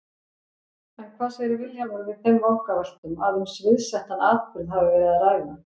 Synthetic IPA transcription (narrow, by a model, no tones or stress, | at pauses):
ɛnkʰvaːsɛɾɪvɪljavɔɾvɪð̥fɪmvawhkaval̥t̪ʏmaðhʏnsvɪðsɛht̪anaːt̪ʏɾðɦavɪvɛːɾɪðaɾaːjva